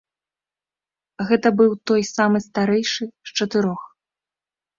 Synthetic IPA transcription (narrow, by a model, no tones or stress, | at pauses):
ɣɛt̪ɐbɨwt̪ɔjsamɨst̪aɾɛjʂɨst͡ʂɐt̪ɨɾɔx